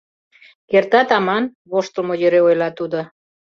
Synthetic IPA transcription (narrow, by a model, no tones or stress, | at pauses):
kert̪ɑt̪ɑmɑnβoʃt̪əlmojøɾeojlɑt̪ud̪o